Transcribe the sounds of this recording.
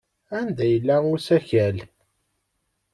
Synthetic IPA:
ænd̪æjəlːæʊɾsæçæl

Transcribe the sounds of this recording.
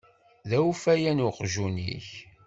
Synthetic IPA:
ðæufæjænʊqʒunḭç

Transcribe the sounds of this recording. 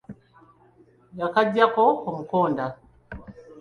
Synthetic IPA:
jakaɟakɔkomukoːnda

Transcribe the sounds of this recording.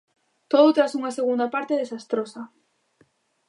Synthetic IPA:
t̪oðʊt̪ɾasuŋaseɣ̞und̪apaɾt̪eðesast̪ɾosa

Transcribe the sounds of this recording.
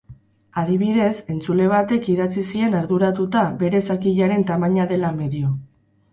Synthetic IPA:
aðiβiðe̞se̞nt͡sule̞βat̪e̞kiðat͡sisie̞naɾðuɾat̪ut̪aβe̞ɾesakiʎaɾe̞nt̪amaɲaðe̞lame̞ðio

